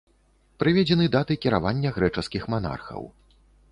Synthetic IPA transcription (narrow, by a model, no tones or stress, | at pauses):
pɾɨvʲɛd͡zʲɛnɨd̪at̪ɨkʲiɾa̰vanʲːɐɣɾɛt͡ʂɐskʲixmana̰rxɐ̰w